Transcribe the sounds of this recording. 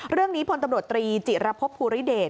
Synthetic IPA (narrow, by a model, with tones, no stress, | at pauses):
ɾɯ˥˩əŋniː˦˥pʰo˧nt̪a˧mɾu˨ə˩t̪ːɾiː˧t͡ɕi˨˩ɾa˦˥pʰːo˦˥pʰːuː˧ɾi˦˥deː˨˩